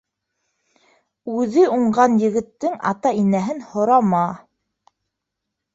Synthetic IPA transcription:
ʉðɘuɴɢɑnjɘ̆ɡɘ̆t̪ːɘŋɑ̰t̪ɑinæɦɘnhŏɾɑmɑ

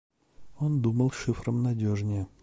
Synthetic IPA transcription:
o̞nd̪uməlˠʂɨfɾəmnɐdʲoʐnʲɪjə

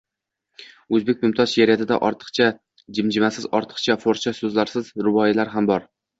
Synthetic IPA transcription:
ɵzbe̞k̚ʲmɪmt̪ʰɒʃjaɾjat̪ʰɪd̪a̰ʔɒɾt̪ʰɨ̥qt͡ʃʰa | d͡ʒɪmd͡ʒɪmasɪzɒɾt̪ʰɨ̥qt͡ʃʰafoɾt͡ʃʰasɵzlaɾsɪzɾʊbɒjɪlaɾɦambɒɾ

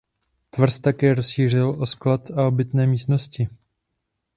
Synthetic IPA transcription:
t̪vr̩st̪akɛːɾosʃiːr̝ɪlʔo̞sklat̪ao̞bɪt̪nɛːmiːst̪no̞scɪ

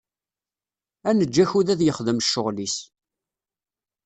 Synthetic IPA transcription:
ænəd͡ʒːæçuðæðjəχðəmʃːʊʁlis

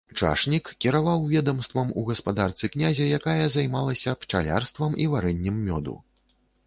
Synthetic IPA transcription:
t͡ʂa̰ʂnʲikkʲiɾavawvʲɛd̪ɐmst̪vɐmuɣɐspad̪art̪sɨknʲazʲɐjakajɐzajmalˠɐsʲɐpt͡ʂalʲa̰rst̪vɐmivaɾɛnʲːɛmːʲɔd̪ṵ

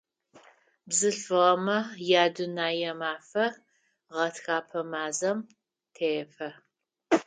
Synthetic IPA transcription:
bzɨɬfɨʁɐmɐjaːdunaːjɛmaːfɐ | ʁɐtxaːpʰɐmaːzɐm | tʰejfɐ

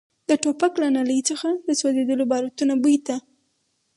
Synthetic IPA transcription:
d̪əʈopaklanaləjt͡səxad̪əsazed̪əlobɑɾat̪unabujt̪a

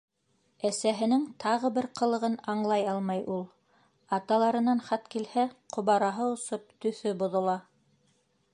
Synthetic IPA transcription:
æsæɦɘ̆nɘŋt̪ʰɑʁɤbɘɾqɤ̆lˠɤ̆ʁɤnɑɴlˠɑjɑlˠmɑjʔulˠ | ɑt̪ɑlˠɑɾɤ̆nɑnχɑt̪kilhæqʰŏβɑɾɑɦɤŏsop̚t̪ɵ̆θɵbŏðŏlˠɑ

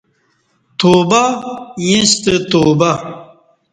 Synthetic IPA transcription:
t̪oːbajĩst̪ət̪oːba

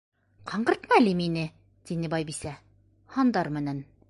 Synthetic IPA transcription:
qʰɑɴɢɤ̆ɾt̪mɑliminɘ | t̪inɘbɑjbisæ | hɑnd̪ɑɾmɘ̆næn

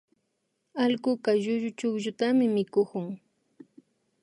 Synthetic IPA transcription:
alkʊkaʒʊʒʊt͡ʃʊkʒʊt̪amɪmɪkʊkʊŋ

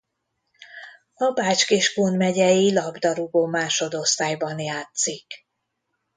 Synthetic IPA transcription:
ɒbaːt͡ʃkeːʃkoːnmɛɟɛjilɒbd̪ɒɾuɡoːmaːʃo̞d̪o̞st̪aːjbɒnjaːt̪sik

